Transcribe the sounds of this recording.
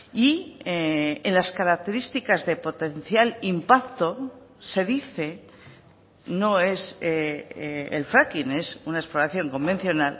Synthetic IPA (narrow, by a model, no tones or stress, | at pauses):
i | enlaskaɾak̚t̪e̞ɾist̪ikazðe̞po̞t̪e̞n̟θjalimpakt̪o̞se̞ðiθe̞ | no̞e̞se | ḛlfɾakine̞sunaesplo̞ɾaθjo̞ŋko̞mbe̞n̟θjo̞nal